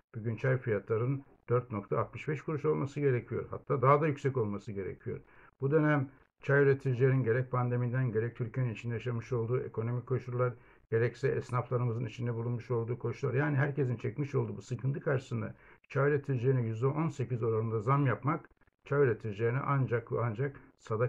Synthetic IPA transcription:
b̥yɟynt͡ʃʰajfijat̪ʰlˠaɾɯn | d̪̥øɾt̪̚no̞k̚t̪ʰaːt̪mɯʃbɛʃkʰuɾuʃo̞lˠmasɯɟe̞ɾecʰijo̞ɾha̰t̪ʰːaːd̪aɦad̪ajycsɛco̞lˠmasɯɟe̞ɾḛcʰijo̞̰ɾb̥ud̪ø̞næm | t͡ʃʰajylʲet̪ʰid͡ʒlʲeɾinɟe̞ɾɛc̚pʰand̪e̞mijd̪ænɟe̞ɾɛc̚t̪ʰyɾcʰijeninit͡ʃind̪ɛjaʃamɯʃo̞lˠd̪uːe̞̰kʰo̞no̞mikʰo̞ʃuɾlˠaɾ | ɟ̥e̞ɾɛcsɛɛsnaflˠaɾɯmɯzɯnit͡ʃʰind̪ɛbulˠunmuʃo̞lˠd̪uːkʰo̞ʃulˠaɾjaːniɦæɾce̞s̬int͡ʃʰɛcmiʃo̞lˠd̪uːbusɯkʰɯnt̪ʰɯkʰaɾʃɯ̥sɯnd̪a̰t͡ʃʰajylʲet̪ʰid͡ʒeːnijyzd̪ɛʔo̞nse̞cizo̞ɾalˠɯnd̪azamjapmak | t͡ʃʰajyɾʲet̪ʰid͡ʒejːnḭʔand͡ʒakand͡ʒaksad̪a

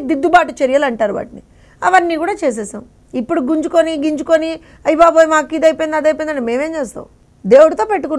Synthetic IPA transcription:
d̪id̪ːubaːʈut͡ʃeɾijɐlɐɳʈaːɾuʋa̰ːʈini | ɐʋɐnːiːkuːɽaːt͡ʃeːs̬eːsɐ̰m | ipːuɽuɡuɲt͡ʃukoniɡiɲt͡ʃukoni | ɐjbaːboːjimaːkːiːd̪ɐjpojnd̪ad̪ɐjp̬ojnd̪ɐɳime̞ːʋe̞ːmt͡ʃeːs̬t̪a̰ːũ | d̪e̞ːwuɽut̪o̞ːpeʈːuku

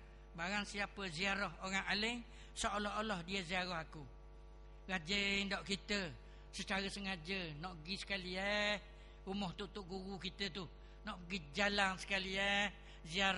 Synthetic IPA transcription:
baɾaŋsiapəziaɾɔhoɾaŋaləŋ | soʔolɔɦolɔhdiəziaɾɔɦaku | ɡad͡ʒəŋdɔʔkit̪ə | sət͡ʃaɾəsəŋad͡ʒənɔʔəɡisə̥kaliəh | umɔht̪uʔt̪uʔɡuɣukit̪ət̪u | nɔʔɡid͡ʒalaŋsə̥kaliɛh | ziaɾ

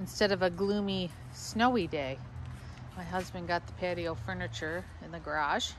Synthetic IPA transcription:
ɨ̃n̩stɛɾʌvɨɡlũmi | snoʊideɪ | maɪɦʌzbɨ̃nɡɑt̪̚ðəpʰæɾioʊfɜ˞nɨt͡ʃə˞ | ɨ̃nðɨɡə˞ɑʒ̥

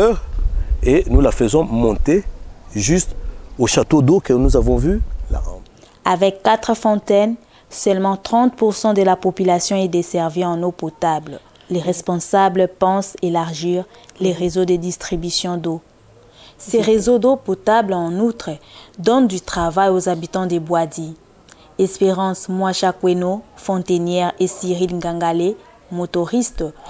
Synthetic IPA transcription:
ʁenulafəzɔ̃mɔ̃t̪eʒyst̪oʃat̪od̪okənuzavɔ̃vyla̰ʁɑ̰̃ | avɛkːat̪χəfɔ̃t̪ɛn | sœlmɑ̃t̪χɑ̃t̪̚puʁsɑ̃d̪əlapɔpylasjɔ̃ɛd̪esɛʁviɑ̃nopɔt̪abl | leʁɛspɔ̃sabləpɑ̃selaʁʒiʁ | leʁezod̪əd̪ist̪χibysjɔ̃d̪o | sɛʁezod̪opɔt̪ablɑ̃nut̪χəd̪ɔnd̪yt̪χavajozabit̪ɑ̃d̪ebwad̪i | ɛspeʁɑ̃smwaʃakwenofɔ̃t̪enjɛʁesiʁilɡãŋɡale | mot̪ɔʁist̪

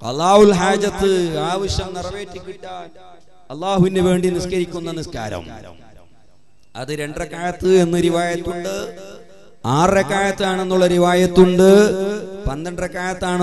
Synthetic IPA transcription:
ɐ̰lːaːhulɦaːd͡ʑɐt̪ːɨaːʋɐɕjɐmnirɐʋeːtːikʲːiʈːɐ | ɐlːaːhuʋindeʋe̞ːɳɖiniskɐɾikʲːunːɐniska̰ːɾɐ̰m | ɐ̰ðɨɾe̞ɳɖrekːaːjɐt̪ːɨe̞nːɨɾiʋaːjɐt̪ːuɳɖɨ | aːrekːaːjɐt̪ːaːɳe̞nːuɭːɐɾiʋaːjɐt̪ːuɳɖɨpɐnd̪ɐɳɖrekːaːjɐt̪ːaːɳ

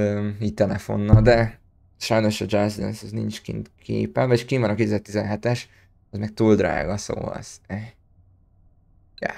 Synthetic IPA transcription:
øːiːc̚t̪ɛlɛfo̞̰nːɒld̪ɛ | ʃɒjno̞ʃɒd͡ʒazd̪ɛ̰nsɒznint͡ʃkḭnt̪kʰḛːpɛlveʃkiːnmɒnɒkeːt̪yzɛrt̪izɛnɦɛt̪ɛʃ | zmɛk̚t̪uːld̪ra̰ːɡɒso̰ːɒ̰z̥ɛ | jæ̰

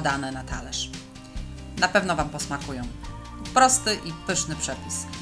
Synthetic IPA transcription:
d̪anɛnat̪ʰalɛʂ | napɛvnɔvampɔsmakujɔ̃w̃ | pɾɔst̪ɘʔipɘʂnɘpʂɛpʲis

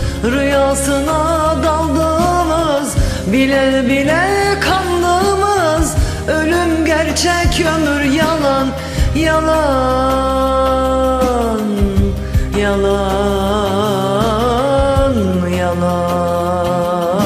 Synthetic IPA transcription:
ɾujaːsɯnad̪alˠd̪ɯmɯz | bilʲɛbilʲɛkʰamlˠɯmɯz | ølʲymɟæɾt͡ʃʰɛkʰømyɾjalˠan | jalˠa | n | jalˠa | n | jalˠa

